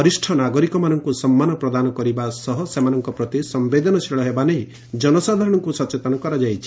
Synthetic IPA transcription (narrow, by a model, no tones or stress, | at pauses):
ɔɾisʈʰɔnaɡɔɾikɔmanɔŋkusɔmːanɔpɾɔd̪anɔkɔɾibasɔɦɔsemanɔŋkɔpɾɔt̪isɔmbed̪ʱɔnɔt͡ʃʰeɭɔɦebaneɦĩ | d͡ʒɔnɔsad̪ʱaɾɔɽ̃ɔŋkusɔt͡ʃet̪ɔnɔkɔɾad͡ʒajt͡ʃʰi̥